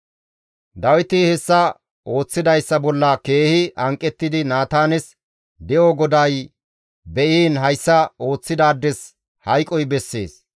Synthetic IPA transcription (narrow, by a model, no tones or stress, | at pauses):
d̪ɐwɪt̪ɪhɛsːɐ | o̞ːt͡sːɪd̪ɐjsːɐbɔlːɐke̞ːhɪʔɐŋkʼːɛt̪ːɪd̪ɪnaːt̪aːnɛs | d̪ɛʔoɡɔd̪ɐj | bɛʔiːnɦɐjsːɐo̞ːt͡sːɪd̪aːd̪ːɛs | hɐjkʼɔjbɛsːe̞̰ːs